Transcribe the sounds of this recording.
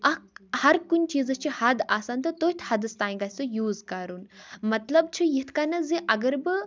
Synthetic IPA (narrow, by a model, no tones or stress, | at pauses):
ɐhɐɾkunʲt͡ʃiːzɐst͡ʃʰihɐd̪aːsaːnt̪ɨt̪oːit̪ʰhɐd̪ɨst̪aːĩɡaːsujuːzkɐɾunmɐt̪lɐbt͡ʃʰijit̪ʰkanɐziʔɐɡɐɾbɨ